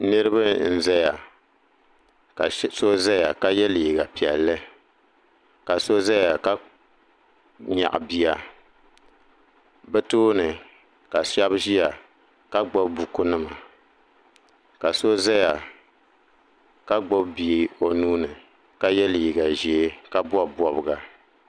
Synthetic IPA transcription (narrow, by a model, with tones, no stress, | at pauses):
nɨ˦ɾɨ˦ba˦n̩˦˨za˦ja˨˦ | so˦za˦ja˨ka˦jɛ˦li˨i˨ɡa˨pi˨ɛ̰˨lːɨ˦ | ka˨so˦za˦ja˨ka˦ | ɲa̰˨ʔbi˨a˨ | bɛ˦toː˦nɨ˨ | ka˨ʃa˦bʒi˦a˨ | ka˦ɡ͡bɔ˦bbu˨ku˦nɨ˦ma̰˨ | ka˨so˦za˦ja˨ | ka˦ɡ͡bɔ˦bbi˨o˨nuː˦nɨ˨ | ka˦jɛ˦li˨ɡa˨ʒi˨e˦ka˦bɔ˦bɔ˦bɨ˨ɡa˨